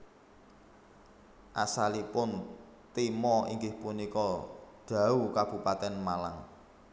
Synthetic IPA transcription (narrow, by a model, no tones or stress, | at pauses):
ʔasalipʊn | t̪imɔḭŋɡɪhpunikɔɖ̪̥ä̤ukab̥ṳpat̪ɛnmalaŋ